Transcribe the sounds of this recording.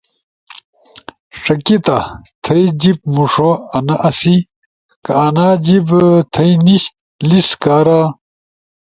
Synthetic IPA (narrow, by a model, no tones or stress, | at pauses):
ʂɐkit̪at̪ʰɐid͡ʑip̚muʂoɐnɐʔɐsi | kɐːnaːd͡ʑibt̪ʰɐjniɕ | liskaːɾa